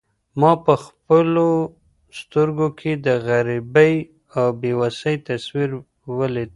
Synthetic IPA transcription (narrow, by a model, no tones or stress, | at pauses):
mɑpəxpəlo | st̪əɾɡokʰed̪əɣaɾibəj | awbewasəjt̪aswiɾ | wəlid̪